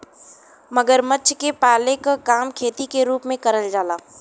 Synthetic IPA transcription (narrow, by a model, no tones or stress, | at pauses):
mɐɡəɾmɐtːʃkepaːlekakaːmkʰeːt̪ikeɾuːpmẽkɐɾəld͡ʒaːlaː